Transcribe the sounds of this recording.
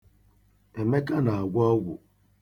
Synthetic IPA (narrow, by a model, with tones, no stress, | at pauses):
e˨me˦ka˦na˨a˨ɡʷɔ˦ɡʷʊ̰˨